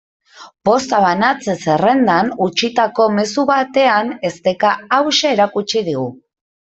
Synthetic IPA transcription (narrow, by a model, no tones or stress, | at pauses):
po̞st̪aβ̞anat͡sese̞re̞nd̪anut͡ʃit̪ako̞me̞suβat̪e̞ane̞st̪e̞kaːwʃeːɾakut͡ʃið̞iɣu